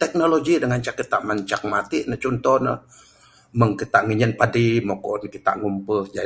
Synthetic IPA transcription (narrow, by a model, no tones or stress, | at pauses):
t̪ɛk̚noloɡidəŋant͡ʃakːət̪aʔmaɲt͡ʃak̚mat̪iʔnət͡ʃɔnt̪ɔhnə̰ | məŋkət̪aʔŋəɲənpadimokɔʔnkit̪a̰ʔŋumpəhd͡ʒa